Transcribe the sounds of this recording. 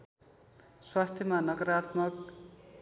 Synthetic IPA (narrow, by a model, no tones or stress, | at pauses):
swast̪ʰjʌmanʌkʌɾat̪mʌk̚